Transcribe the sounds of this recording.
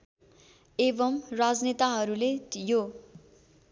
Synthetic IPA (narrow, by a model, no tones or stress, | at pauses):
ebʌmrad͡znet̪aɦʌɾulejo